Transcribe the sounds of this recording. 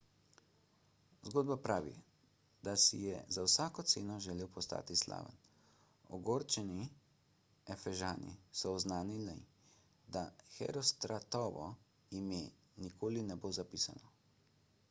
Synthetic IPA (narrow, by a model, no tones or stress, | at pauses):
zɡoːd̪̚bapɾaːʋḭ | d̪asijɛzawsaːkɔt̪seːnɔʒɛleːwpɔst̪a̰ːt̪isla̰ːʋə̰n | ɔɡoːɾt͡ʃɛni | ɛfɛʒaːnḭsɔːznaːnili | d̪axɛ̰ɾɔst̪ɾat̪ɔʋɔ̰ | jimjɛ | nikʰoːlinɛbozapiːsa̰nɔ